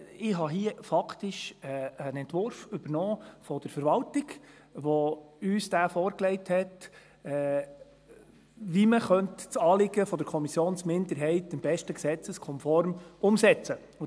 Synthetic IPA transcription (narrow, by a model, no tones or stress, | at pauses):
ɪɦɑɦiəfɑkʰtɪʃɛənɛntʋʊɾfʏb̥əɾnɔːfɔd̥əɾfəɾʋɑltɪɡ | ʋɔyːsd̥æːfɔːɾklɛɪthɛt | ɛ | ʋiməχœntt͡sɑːlɪɡəfɔd̥̪əɾkʰɔmisjoːnsmɪndəɾɦɛɪtɪmb̥ɛʃtəksɛt͡səskʰɔmfɔɾmʊmsɛt͡sə